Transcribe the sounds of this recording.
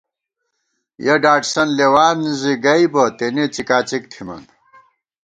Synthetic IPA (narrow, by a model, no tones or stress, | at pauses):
jɐɖaːʈsɐnlewaːniziɡɐibɐt̪enet͡sikaːt͡sik̚t̪ʰimɐ̰n